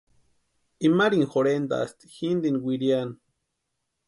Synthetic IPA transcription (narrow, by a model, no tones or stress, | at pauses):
imaɾiŋxoɾend̪a̰a̰st̪i̥xind̪inwiɾian